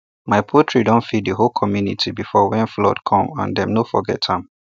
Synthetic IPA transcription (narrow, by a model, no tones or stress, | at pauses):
maɪpʰotʰɹidɔ̃ntfiddəɦolkʰɔmjunḭtʰibifɔwɛ̃nflɔ̰dkʰɔ̃mã̰ndɛ̃mnofɔ̰ɡɛ̰thãm